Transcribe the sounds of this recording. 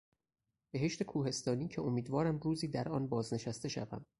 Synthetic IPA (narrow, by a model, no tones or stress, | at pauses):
b̥e̞ɦe̞ʃt̪e̞kʰuːhe̞st̪ɒːniːcʰeo̞miːd̪vɒːɾæmɾuːziːd̪æɾʔɒ̰ːnbɒːzne̞ʃæst̪e̞ʃæ̰væ̰m